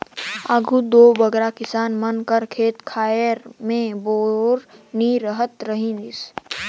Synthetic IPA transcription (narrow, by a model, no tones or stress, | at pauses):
aɡʱud̪oːbəɡɾakɪsaːnmənkəɾkʰeːt̪kʰaːjəɾmẽboːɾniɾəɦət̪ɾəɦĩd̪ɪs